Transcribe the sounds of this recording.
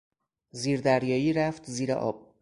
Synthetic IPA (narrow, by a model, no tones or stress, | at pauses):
ziːɾd̪æɾjɒːjiːɾæft̪ziːɾḛʔɒ̰ːb̥̚